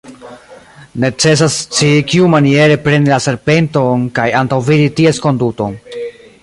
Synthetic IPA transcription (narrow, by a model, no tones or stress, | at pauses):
ne̞t͡se̞s̬ast͡ʃikiumanie̞ɾe̞pɾe̞nilase̞ɾpe̞nto̞nkajantawviditie̞sko̞nduto̞̰n